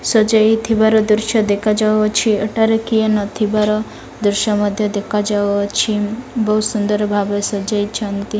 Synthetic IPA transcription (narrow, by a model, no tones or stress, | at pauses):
sɔd͡ʒajt̪ʰibaɾɔd̪uɾʃɔd̪ekʰad͡ʒawɔt͡ʃʰieʈaɾekienɔt̪ʰibaɾɔ | d̪uɾʃɔmɔd̪ʱjɔd̪ekʰad͡ʒawɔt͡ʃʰibɔɦusund̪ɔɾɔbʱabesɔd͡ʒajt͡ʃʰɔnt̪i